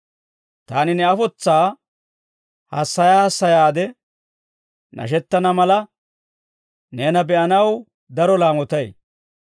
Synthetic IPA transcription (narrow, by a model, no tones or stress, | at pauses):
t̪aːnɪnɛɐfɔt͡sːaː | hɐsːɐjaːhɐsːɐjaːd̪ɛ | nɐ̰ʃ̬ɛt̪ːɐnɐmɐlɐ | neːnɐbɛʔɐnɐw | d̪ɐɾɔlaːmɔt̪ɐj